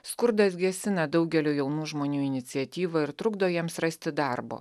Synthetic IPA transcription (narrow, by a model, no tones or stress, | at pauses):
skʊɾd̪ɐsɡʲɛsʲɪnɐd̪ɒʊɡʲɛlʲuːjɛʊnuːʒmoːnʲuːɪnʲɪt̪sʲɪɛt̪ʲiːʋɐɪɾt̪ɾʊɡd̪oːjiɛmsɾɐsʲt̪ʲɪd̪ɑɾbo̰ː